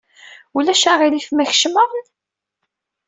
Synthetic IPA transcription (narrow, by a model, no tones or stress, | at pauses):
ulæʃæʁilifmæç̥ʃməʁn